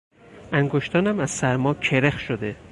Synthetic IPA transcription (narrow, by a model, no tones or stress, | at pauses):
ʔæŋɡoʃt̪ʰɒːnæmæz̥sæɾmɒːkʰeɾexʃod̪e